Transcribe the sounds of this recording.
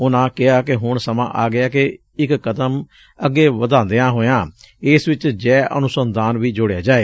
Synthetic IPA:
ʊnãːkɪɦaːkeɦʊɳsəmã̰ːʔaːɡɪaːke | ɪkːət̪əm | əɡːeːʋəd̪ãːnd̪ejãːɦoːjãː | ɪsʋɪt͡ʃd͡ʒɛːʔə̰nʊsənd̪aːnʋiːd͡ʒʊɽejaːd͡ʒaːeː

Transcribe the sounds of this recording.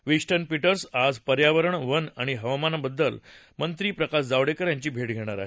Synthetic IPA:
ʋiɕʈənpiʈəɾsad͡zpəɾjaʋəɾəɳʋənaɽ̃iɦəʋamanbəd̪ːəl | mənt̪ɾiːpɾəkasd͡zaʋɽekəɾjaɲt͡ɕiːbʱeʈ̚ɡʱeɽ̃aɾa̰ɦe

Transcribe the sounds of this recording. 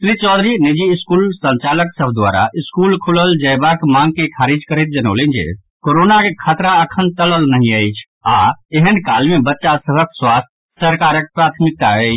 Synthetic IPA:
sɾit͡ʃɔd̪ɾinid͡ʒiːskulsə̃nt͡ʃaləksəbʱd̪wa̰ɾa̰ʔiskulkʰuləld͡ʒəjbakmãŋɡ̚kekʰaɾid͡ʒkəɾɛt̪̚d͡ʒənə̰lend͡ʒḛ | koɾonakekʰat̪ɾaəkʰənt̪ələlnəɦĩəɪt͡ʃʰ | aeɦənkalmebətːʃasəbʱəkswast̪ʰ | səɾkaɾək̚pɾat̪ʰmik̚t̪aəɪt͡ʃʰ

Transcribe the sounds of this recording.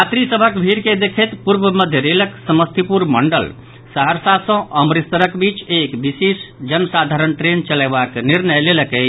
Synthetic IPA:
at̪ɾisəbʱəkbʱiɾked̪ekʰet̪puɾbəməd̪ʱjəɾeləksəməst̪ʰipuɾməɳɖəl | saɦəɾsasə̃əmɾist̪ɾəkbit͡ʃekbisesd͡ʒənəsad̪ʱaɾənʈɾent͡ʃəlɛbakniɾnəjleləkəɪt͡ʃʰ

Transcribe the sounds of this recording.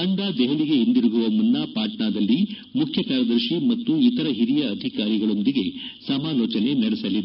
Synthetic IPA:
ɐɳɖaːd̪ɛɦɐɭiɡe̞ind̪iɾuɡuʋɐmunːapaːʈɳaːd̪ɐlːi | mukʰjɐkaːɾɐd̪ɐɾʃimɐt̪ːuit̪ɐɾɐɦiɾijɐːd̪ʱikaːɾiɡɐɭo̞nd̪iɡe̞sɐmaːlɔːt͡ʃɐne̞nɐɽɛsɐlːid̪

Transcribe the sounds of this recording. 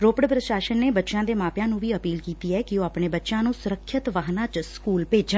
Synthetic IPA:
ɾoːpəɽpɾəʃaːʃənːeːbətːʃãːd̪eːmaːpjãːnũːʋiːəpiːlkiːt̪iːɛːkɪoːaːpɳeːbətːʃãːnũːsʊɾəkʰːɪt̪ʋaːɦnãːt͡ʃskuːlpeːd͡ʒə

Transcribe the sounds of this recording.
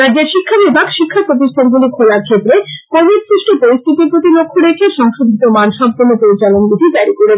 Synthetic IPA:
ɾadd͡ʑeɾʃikʰːabibʱaɡʃikʰːapɾot̪̬iʃt̪ʰanɡulikʰolaɾkʰet̪ɾekoɾmeɾsɾiʃʈopoɾist̪ʰip̪iɾpɾot̪ilokʰːoɾekʰeʃɔŋʃod̪ʱit̪omanʃɔbponːopoɾit͡ɕalonbid̪ʱid͡ʑaɾikoɽe

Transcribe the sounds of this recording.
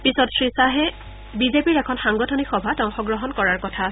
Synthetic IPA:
pisɔtsɹisaɦɛ | bizepiɹɛkʰɔnxaŋɡɔtʰɔnixɔbʱatɔŋxɔɡɹɔɦɔnkɔɹaɹkɔtʰa

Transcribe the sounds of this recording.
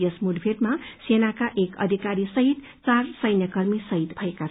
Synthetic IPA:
esmuɖbʱeʈmasenakaʔekʌ̰d̪ʱikaɾisʌɦit̪ | t͡sarsʌjnjʌkʌrmisʌɦit̪bʱʌekat͡s

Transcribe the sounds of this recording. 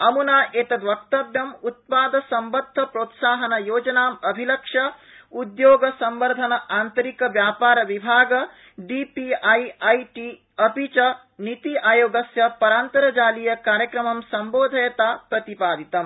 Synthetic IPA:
ɐmunaːʔeːt̪ɐd̪ʋɐkt̪ɐbjɐmut̪̚paːd̪ɐsɐmbɐt̪ʰːɐpɾoːt̪saːɦɐnɐjoːd͡ʒɐnaːmɐbʱilɐkʂɐ | ud̪joːɡɐsɐmʋɐɾd̪ʱɐnɐʔaːnt̪ɐɾikɐʋjaːpaːɾɐʋibʱaːɡɐ | ɖipiɐjɐjʈiː | ɐpit͡ʃɐ | nit̪iʔaːjoːɡɐsjɐpɐɾaːnt̪ɐɾɐd͡ʒaːlijɐkaːɾjɐkɾɐmɐmsɐmboːd̪ʱɐjɐt̪aːpɾɐt̪ipaːd̪ʱit̪ɐm

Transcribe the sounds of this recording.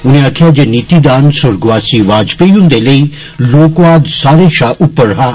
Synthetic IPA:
uñiaːkʰad͡ʒeniːt̪id̪aːnsʊɾɡʋaːsiʋaːd͡ʒpejũnd̪elei | loːkʋaːd̪saːɾeʃaːʔupːəɾɦaː

